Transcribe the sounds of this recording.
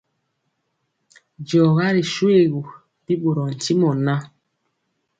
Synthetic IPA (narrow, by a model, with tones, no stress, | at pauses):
d͡ʒɔ˨ɣa˦ɾi˨ʃwe˦˨ɣu˨ | bi˦ɓo˨ɾɔ˨n̩˨ti˦mɔ˨na˦